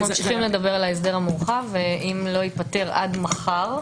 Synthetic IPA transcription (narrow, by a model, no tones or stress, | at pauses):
mamʃiχimled̪ɐbeʁalaes̬d̪eʁhamuʁχaveʔimlo̞ipat̪e̞ʁʔa̰d̪maχaʁ